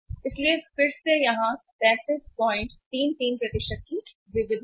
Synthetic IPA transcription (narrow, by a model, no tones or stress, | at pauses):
ɪsliefɪɾsejɐɦãpɛːsɪɖ̚pɔ̃ːɪ̃ɳʈt̪iːnt̪iːnpɾɐt̪ɪʃət̪̚ki | ʋɪʋɪd̪